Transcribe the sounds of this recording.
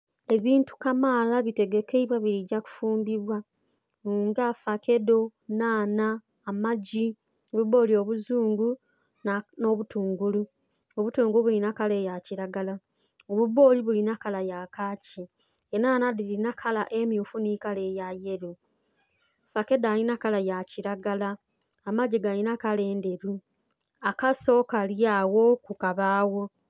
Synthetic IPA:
e̞βiːntu̥kamaːlaβite̞ɡe̞ke̞iβwaβiɾiɟaku̥fuːmbiβwa | uːŋɡafake̞do̞naːnaː | maɟi | oβuβo̞ːlio̞ːβuzuːŋɡu | no̞βutuːŋɡulu | oβutuːŋɡuuβulinakale̞ːjaciɾaɡala | oβuβo̞liβulinakalajakaːci | enanadilinakʰalaʔe̞mjufunikale̞jaje̞ɾu | fake̞daːlinakalajaciɾaɡalaː | maɟiɡalinakale̞ːnde̞ɾu | akaso̞kaljaːwo̞kukaβaːwo̞

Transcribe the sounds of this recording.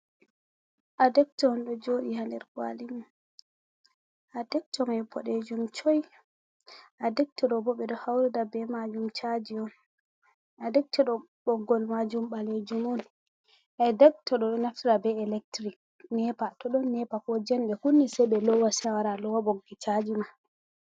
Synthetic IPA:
ʔadɛk̚tɔnɗɔd͡ʒoɗihandɛɾkwa̰limɔ | ʔadɛk̚tɔmabʰɔɗed͡ʒumt͡ʃɔj | ʔadɛk̚tɛɗɔbɔɓɛɗɔhawɾɛdabɛmad͡ʒumt͡ʃad͡ʒiɔn | ʔadɛk̚tʰɔɗɔ | ɓɔɡːɔlmad͡ʒumɓaled͡ʒumɔn | ʔɛdɛk̚tɔɗɔɗɔnaftiɗabɛɛlɛk̚tɾik̚ | nɛpatɔɗɔnːɛpakɔd͡ʒɛnɡɛhunːisɛɓɛlɔwasɛwaɾalɔwabɔɡːit͡ʃad͡ʒima

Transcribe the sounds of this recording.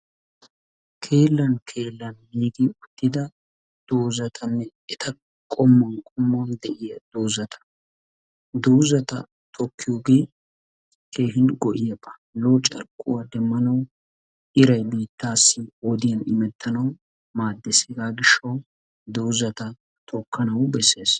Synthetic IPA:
kʰe̞ːlːɐnkʰe̞ːlːɐnmiːɡiʊt̪ːɪd̪ɐ | d̪̥oːzɐt̪ʰɐnːɛ | ɛt̪ʰɐ | kʼɔmːɐnkʼɔmːɔnd̪ɛʔɪjɐd̪̥oːzɐt̪ʰɐ̥ | d̪oːzɐt̪ɐ̰ | t̪ʰɔkʰːɪjʊɡeː | kʰe̞ːɦɪnɡɔʔɪjɐbːɐ̥ | loːt͡ʃʼɐ̰ɾkʼːʊwɐd̪ɛmːɐnɐw | ʔɪɾɐjbiːt̪ːaːsːɪɔd̪ɪjɐnɪmɛt̪ːɐnɐw | maːd̪ːeseɡaːɡɪʃːɐw | d̪oːzɐt̪ɐ | t̪ʰɔkːɐnɐwbɛsːe̞ːs

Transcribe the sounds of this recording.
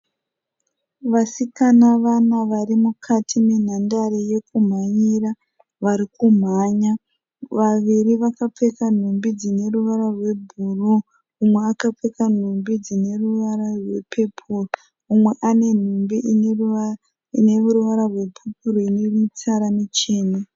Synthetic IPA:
ʋasikanaʋanaʋaɾimukʰatʰimen̤andaɾeje̞kum̤aɲira | ʋaɾikum̤aːɲa | ʋaʋiɾiʋakap͡fe̞kan̤umbid͡zine̞ruʋaɾarwe̞bʱuru | umwe̞akap͡fekan̤umbid͡zine̞ruʋaɾarwe̞pʰepʰuro | umwe̞ʔane̞n̤umbiʔnr | ine̞uruʋaɾarwe̞pʰep̚ʰuroinemut͡saɾanit͡ʃeːna

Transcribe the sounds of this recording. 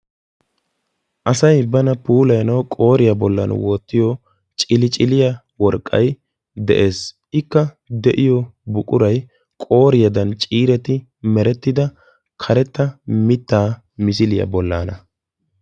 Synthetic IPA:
ʔɐsɐjbɐnɐpuːlɐjnɐwkʼo̞ːɾɪjɐbɔlːɐ̰nwoːt̪ːɪjɔ | t͡ʃʼɪlɪt͡ʃʼɪlɪjɐ | wɔɾkʼːɐ̰j | d̪ɛ̰ʔe̞ːs | ɪkːɐ | d̪ɛʔɪjɔbʊkʼʊɾɐj | kʼo̞ːɾɪjɐd̪ɐnt͡ʃʼiːɾɛt̪ɪ | mɛɾɛt̪ːɪd̪ɐ | kʰɐɾɛt̪ːɐmɪt̪ːaː | mɪs̬ɪlɪjɐ̰bɔlːaːnɐ

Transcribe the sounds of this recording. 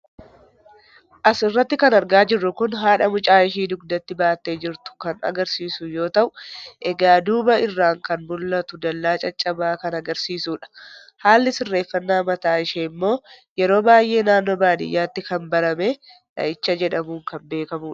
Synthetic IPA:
ʔɐsɪrːɐt̪ːɪkɐnɐɾɡaːd͡ʒɪrːʊkʊnɦaːᶑɐmʊt͡ʃʼaːɪʃiːd̪ʊɡd̪ɐt̪ːɪbaːt̪ːeːd͡ʒɪɾt̪ʊ̥kɐnɐ̰ɡɐɾsiːsʊjo̞ːt̪ɐʔʊʔɛɡaːd̪uːbɐɪrːaːŋkɐnbʊlːɐt̪ʊd̪ɐlːaːt͡ʃʼɐt͡ʃʼɐbaːkɐnɐɡɐɾsiːsuːᶑɐ̥ | haːlːɪsɪrːe̞ːfːɐnːaːmɐt̪aːɪʃeːmːo̞ː | jɛɾo̞ːbaːjʔe̞ːnaːnːo̞ːbaːd̪ɪ̰jːaːt̪ːɪkɐmbɐɾɐmeː | ɐ̰ɪt͡ʃːɐd͡ʒɛᶑɐmuːŋkɐmbe̞ːkɐmuːᶑɐ̥

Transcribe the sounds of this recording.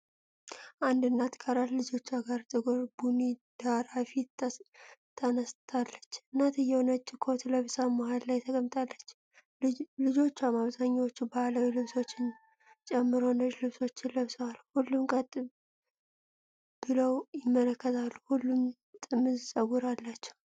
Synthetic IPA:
ʔand̪ɨnːat̪kʼʰəɾat̪lɨd͡ʒo̞t͡ʃːaɡaɾt̪ʼɨɡoɾbunid̪̥aɾafi | t̪ʰːənəst̪ʰalːət͡ʃːɨnːat̪ʰɨjːɛwonət͡ʃʼːɪkʰo̞t̪ləβɨsamohallajt̪ʰəɡʼəmt̪ʼalːət͡ʃː | lɨd͡ʒo̞t͡ʃːamaβzaɲːawot͡ʃːubaləwilɨβso̞t͡ʃːɪn | t͡ʃʼɛmːɨɾo̞nəʒlɨβso̞t͡ʃːɪləβsəwalhulːumkʼət̪ʼ | b̥ɨləwjɪmːələkːət̪ʰalːuhulːum | t̪ʼɨmːɨzsʼəɡuɾalːat͡ʃːɛ̥w

